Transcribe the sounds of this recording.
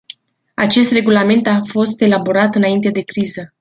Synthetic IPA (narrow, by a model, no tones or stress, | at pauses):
a̰t͡ʃe̞st̪re̞ɡulame̞nt̪afo̞st̪e̞labo̞ɾat̪ɨnaint̪e̞d̪e̞kɾizə